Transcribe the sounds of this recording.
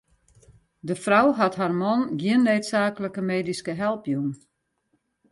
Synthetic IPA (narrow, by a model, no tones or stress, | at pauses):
dəfrawɦatɦarmɔnɡjɪənːøːtsaːkələkəmeːdiskəɦɛlˠpjun